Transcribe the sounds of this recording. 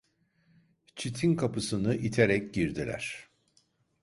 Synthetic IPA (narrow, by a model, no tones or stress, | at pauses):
t͡ʃʰit̪ʰinkʰapɯsɯnɯʔit̪ʰeɾɛc̚ɟiɾd̪ilʲæ̰ɾ̥